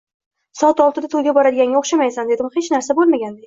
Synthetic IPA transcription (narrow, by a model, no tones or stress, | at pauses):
sɒat̪ɒlˠt̪ɪd̪at̪ʰolɡʲabɒɾad̪ɪɡʲanɡʲaoχʃamajsand̪e̞d̪ɪmχet͡ʃnaɾsabolˠmaɡʲand̪e